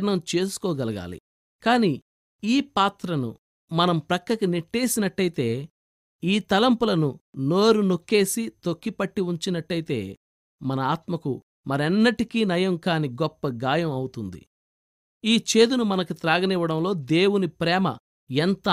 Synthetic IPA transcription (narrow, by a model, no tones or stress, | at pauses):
ɾnɐmt͡ʃe̞ːsu̥kɔːɡɐlɐɡa̰ːlḭ | kaːni | iːpaːt̪ɾɐnṵ | mɐnɐmpɾɐkːɾɐkineʈːeːsinɐʈːɐjit̪e̞ː | iːt̪ɐlɐmpulɐnuno̞ːɾuno̞kːe̞ːsit̪okːipɐʈːiuɲt͡ʃinɐʈːɐjit̪e̞ː | mɐnɐaːt̪mɐku | mɐɾɛnːɐʈikiːnɐjɐmkaːniɡɔpːɐɡaːjɐmɐwut̪und̪ḭ | iːt͡ʃe̞ːd̪unumɐnɐkut̪ɾaːɡɐnɛʋɐɽɐmlo̞ːd̪e̞ːwunipɾɛːmɐ̰ | ɛnt̪ɐ